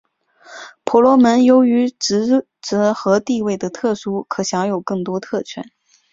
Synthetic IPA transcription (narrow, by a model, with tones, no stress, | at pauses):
pʰɔ˧˥lwɔ˧˥mə˧˥njo˧˥ʊy˧˥ʈ͡ʂɻ̩˧˥ | ʈ͡ʂɤ˧˥xɤ˧˥t̪i˥˧we˥˩ɪd̪ə˩t̪ʰɤ˥˩ʂu˥kʰɤ˨˩ɕjɑ˧˥ŋjo˨˩ʊkɤ˥˩ŋt̪wɔ˥t̪ʰɤ˥˩t͡ɕʰɥɛ̰˧˥˦n